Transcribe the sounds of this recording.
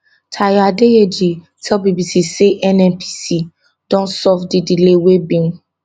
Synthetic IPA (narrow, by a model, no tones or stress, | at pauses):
tʰajadeed͡ʒi | tʰɛlbibisiseʔɛnɛ̃npʰi̥si | d̥ɔ̃nsɔvdidilewebĩŋ